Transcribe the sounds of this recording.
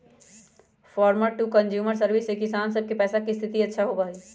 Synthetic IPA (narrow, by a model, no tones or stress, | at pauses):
fʰɔːɾməɾʈukə̃nd͡ʒjuːməɾs̬əɾʋisekɪsaːnsəb̚kepɛːsakist̪ʰɪt̪iətːʃʰaɦobaːi